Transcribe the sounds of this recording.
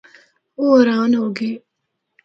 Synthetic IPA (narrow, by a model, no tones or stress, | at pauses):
oɾaːnɦoːɡi